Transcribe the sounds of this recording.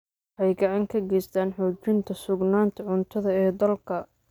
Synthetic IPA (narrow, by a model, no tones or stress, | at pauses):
wwħɛjɡɐʕɑŋkʰɐɡɛjst̪ʰaːnħɔːt͡ʃɪnt̪ʰɐsʊɡnaːnt̪ʰɐʕʊnt̪ʰɐðɐɛːd̪ɐlkʰɐ